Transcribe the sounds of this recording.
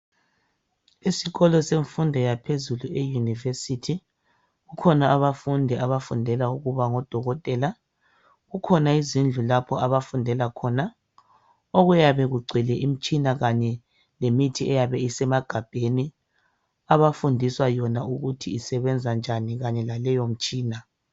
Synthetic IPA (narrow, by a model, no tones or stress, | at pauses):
isiɣɔlɔseɱfundʱɛjapʰezuluejunivesitʰi | ɣukʰɔnaːβafundʱɛʔaβafundʱɛlauɣuβaŋɔd̥ʱɔɣɔtʼɛːla | ɣukʰɔnaizind͡ɮʱulapʰɔaβafundʱɛlakʰɔːna | oɣujaβɛɣuɡ͡ǀʱɛlɛʔim̩t͡ʃʼinaɣaɲɛ | lemitʰiɛjaβɛisɛmaɡ̥ʱab̥ʱeni | aβafundʱiswajɔnauɣutʰiːsɛβɛnd͡zʱand͡ʒʱaniɣaɲɛlalɛjom̩t͡ʃʼiːna